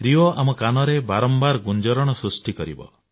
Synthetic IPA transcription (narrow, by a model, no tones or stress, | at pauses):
ɾiɔʔamɔkanɔɾebaɾɔmbaɾɡund͡ʒɔɾɔɽ̃ɔsɾusʈikɔɾḭbɔ̰